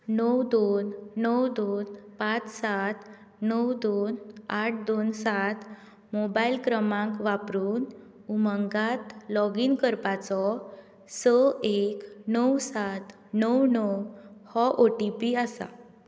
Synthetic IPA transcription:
nəwd̪onːəwd̪onpat͡ssat̪ | nəwd̪onaʈ̚ʰd̪onsat̪ʰ | mobailkɾəmãŋkʋapɾuːn | uməŋɡat̪lɔɡiŋkəɾpat͡sɔ | səeknəwsat̪ | nəwnəwhɔʔoʈipiəsa̰

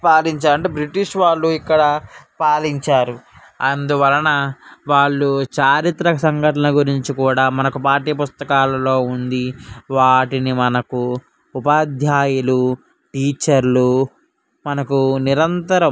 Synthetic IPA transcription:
paːliɲt͡ʃaːɾɐɳʈeːbɾiʈiʂʋaːɭːuikːɐɽɐpaːliɲt͡ʃaːɾu | ɐnd̪uʋɐlɐnɐʋaːɭːut͡ʃaːɾit̪ɾɐɐsɐŋɡɐʈɐnɐɡuɾiɲt͡ʃikuːɽaːmɐnɐkupaːɾʈiːɐpust̪ɐkaːlɐlo̞ːund̪iʋaːʈinimɐnɐkuː | paːd̪ʱjaːjulu | ʈiːt͡ʃɐɾlu | mɐnɐkuniɾɐnt̪ɐɾɐ

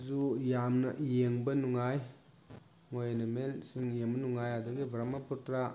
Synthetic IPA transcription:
zujamnɐ̰ʔjeŋbɐnuŋaj | ŋojnɐmelsiŋjeŋbɐnuŋajadɯɡibɾamɐputɾa

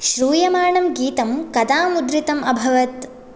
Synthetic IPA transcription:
ʃɾuːjɐmaːɳɐmɡiːt̪ɐmkɐd̪aːmud̪ɾit̪ɐmɐbʱɐʋɐt̪

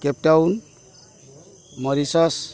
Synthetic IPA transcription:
kɛp̚tawn | mɔɾisɔs

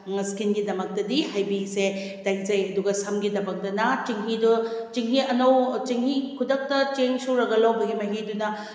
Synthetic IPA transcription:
ŋɐskinɡidɐmɐk̚tɐdihajbise | dajzɐjɐduɡɐsɐmɡidɐmɐk̚dɐnɐt͡ʃiŋɦidut͡ʃiŋɦiɐnɐwt͡ʃiŋɦikʰudɐk̚tɐt͡ʃeŋsuɾɐɡɐlawbɐɡimɐɦidunɐ

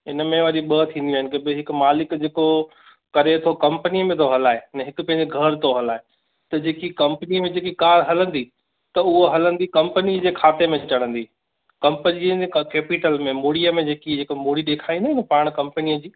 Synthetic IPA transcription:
ɪnəmẽʋɐɾiɓəːt̪ʰĩːnd̪ĩːɦɪnkebɪɦɪkʊ̆maːlɪkd͡ʑeːko | kɐɾet̪ʰokɐ̃mpənijəmẽt̪ʰoɦɐlaːɦenɐɦɪkʊpɐ̃ɦɪ̃ɲd͡ʑiɡʱɐɾt̪ʰoɦɐlaːɦe | t̪ɐd͡ʑeːkikɐ̃mpəniəmẽd͡ʑeːkikaːɾɦɐlə̃nd̪i | t̪ɐʊɦoɦɐlə̃nd̪ikɐ̃mpənid͡ʑeːkʰaːt̪emẽt͡ɕɐɽ̃ə̃nd̪i | kɐ̃mpənikeːpɪʈəlmẽmoːɽijəmẽd͡ʑeːkid͡ʑeːkomuːɽiɗeːkʰaːĩnd̪iɪnɛpaːɽ̃kɐ̃mpənijəd͡ʑiː

